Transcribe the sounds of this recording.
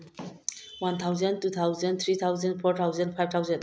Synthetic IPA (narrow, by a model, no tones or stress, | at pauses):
wãnt̪ʰaʊzə̃n̚tuːt̪ʰaʊzə̃n̚t̪ʰɹiːt̪ʰaʊzə̃nfɔːɹt̪ʰaʊzə̃ndfajvt̪ʰaʊzə̃n